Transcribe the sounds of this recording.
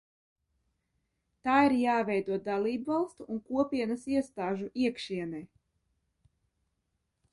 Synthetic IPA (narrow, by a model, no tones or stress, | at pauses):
t̪aːiɾjaːvɛjd̪uɔd̪alˠiːbvɑlˠst̪uʔːnkuɔpʲiɛnasiɛst̪aːʒuʔiɛkʃiɛnɛj